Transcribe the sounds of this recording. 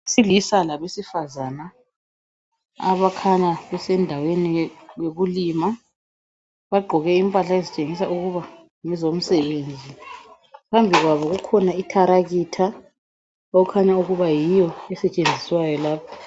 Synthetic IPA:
silisalaβesifazana | a̰βakʰaɲaβɛsɛndʱawenijeɣulima | βaɡ͡ǃʱɔɣɛimpʼaɬaezit͡ʃʼeŋisauɣuβa | ŋɛzom̩sɛβeːnd͡zʱi | pʰambʱiɣwaβɔɣukʰɔnaikʰaɾaɣitʰa | oɣukʰaɲauɣuβajijɔɛsɛt͡ʃʼend͡zʱiswajɔlaːpʰḁ

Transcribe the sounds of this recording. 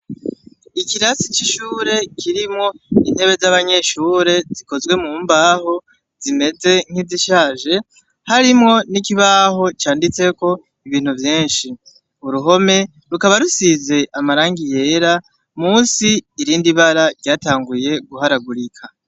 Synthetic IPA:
ikiɾasit͡ʃiʃuːɾe̞kʰiɾimŋo̞in̥he̞βe̞zaβaɲe̞ʃuːɾe̞ziko̞zwe̞mumbaːho̞ | z̥ime̞ze̞ŋ̥hiziʃaːʒe̞ | haɾimŋo̞nikiβaɦo̞t͡ʃaːndit͡se̞ko̞ | iβiːn̥huvjiːnʃi | uɾuɦo̞me̞ | ɾukaβaɾusize̞ʔamaɾaːŋɡije̞ɾa | muːnsiːɾiːndiβaɾaɾɟaːtaːŋɡuje̞ɡuɦaɾaɡuɾikʰa

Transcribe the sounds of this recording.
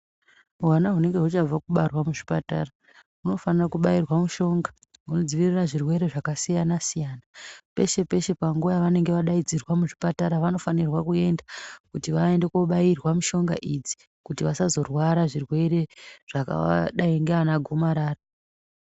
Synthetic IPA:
wanaɦune̞ŋɡe̞ɦut͡ʃab͡vakuɓarwamuʐipata̰ra | uno̞fanirakuɓajirwamuʃo̞ŋɡa | ɦuno̞d͡ziʋiriraʐirwe̞ɾe̞ʐakasijanasijaːnape̞̰ʃe̞pe̞ʃe̞paŋɡuajaʋane̞ŋɡe̞ʋaɗaid͡zirwamuʐipataɾaʋano̞fanirwakue̞ndakutiʋaende̞koɓairwamuʃo̞ŋɡa̰ʔid͡zi̥ | kutiʋasazo̞rwaɾaʐirwe̞ɾe̞ʐ̥aka̰a̰ɗaiŋɡeanaɡʱomaɾaːra

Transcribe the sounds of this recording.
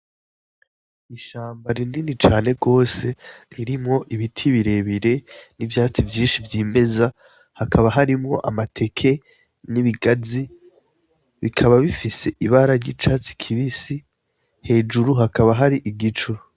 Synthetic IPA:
iʃaːmbaɾindinit͡ʃaːne̞ɡo̞ːse̞ɾiɾimŋo̞ʔiβitʰiβiɾe̞βiɾe̞nivjaːt͡sivjiːnʃivjiːme̞za | hakʰaβaɦaɾimŋo̞̰ʔa̰matʰe̞kʰe̞ | niβiɡazi | βikʰaβaβifise̞ʔiβaɾaɲjit͡ʃat͡si̥kʰiβisi | he̞ːd͡ʒuɾuɦakaβaɦaɾiʔiɡit͡ʃuɾ

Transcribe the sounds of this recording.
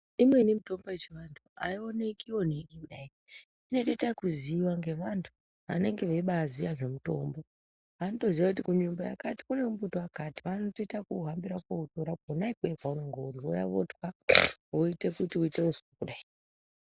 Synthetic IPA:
imwe̞nimuto̞mboet͡ʃiʋantʰua̰ione̞kio̞neɗikuɗai | ino̞toitakuziːwaŋɡe̞ʋantʰu̥ | ʋa̰ne̞ŋɡe̞ʋe̞ɓazijaʐe̞muto̞̰ːmbo̞ | ʋanoto̞ziʋakutikuɲumboja̰kati̥kune̞umbutoakatiʋano̞to̞itakuɦambiɾakwoutoɾaonaikwevwaunoŋɡouɾio̰ja̰ʋo̰twaoite̞kutiuiteusi̥pokuɗaio

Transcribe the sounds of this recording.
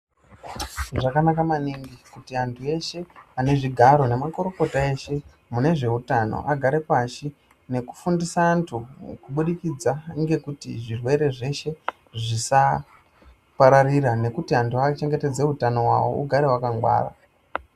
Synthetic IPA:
ʐakanakamaniŋɡikutiantʰue̞ʃe̞ane̞ʐiɡʱaɾo̞ne̞mako̞ɾo̞ko̞tae̞ʃe | mune̞ʐe̞utano̰ʔaɡʱaɾe̞paʃi | ne̞ku̥fundisaːntʰukuɓuɗikid͡zaŋɡe̞kutḭʐirwe̞ɾe̞ʐe̞ʃe̞ | ʐisa | paɾariɾane̞kutiantʰuat͡ʃe̞ŋɡe̞te̞d͡ze̞utano̞wa̰wo̞̰ʔṵɡʱaɾe̞wakaŋɡwa̰ːɾa̰

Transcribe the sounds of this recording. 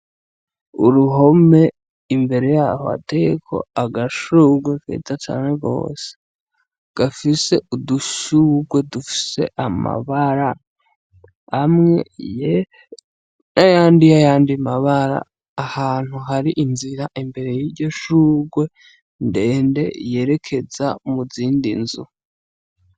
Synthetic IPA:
ṵɾuɦo̞me̞ | imbe̞ɾe̞jaːhoa̰te̞ekʰo̞̰aɡaʃuːɡwefḛzat͡ʃa̰ːneɡo̞̰ːse̥ | ɡ̥afise̞ʔuduʃuːɡwe̞dufi̥se̞̰ʔama̰βaɾa | hamŋe̞̰je | najaːndijajaːndimaβaɾa̰ː | haːn̥huɦaɾiʔinziɾaʔimbe̞ɾe̞jiɟo̞ʃuːɡwe̞ | nde̞ːnde̞̰je̞ːɾe̞kʰe̞zamuziːndḭnzu

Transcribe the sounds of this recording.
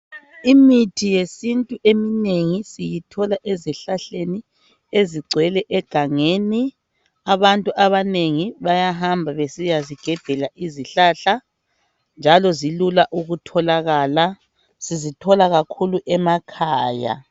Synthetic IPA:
imitʰijesintʼuʔemineŋisijitʰɔlaʔɛzɛɬaɬeni | eziɡ͡ǀʱwɛlɛʔɛɡ̥ʱaŋeni | aβantʼuʔaβaneŋiβajaɦambʱaβesijaziɡ̥ʱɛb̥ʱɛlaʔiziɬaɬa | nd͡ʒʱalɔzilulaʔuɣutʰɔlaɣaːla | sizitʰɔlaɣakʰuluʔɛmakʰaːja̰

